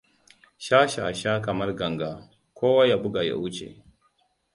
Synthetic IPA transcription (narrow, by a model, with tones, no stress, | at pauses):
ʃa˦ʃa̰˨ʃa˦kɐ˨mɐ˦rɡɐ˨ŋɡa˨ | kʰʷoː˦wa˦ja˨bʊ˦ɡa˨ja̰˨wu˦t͡ʃḛ˨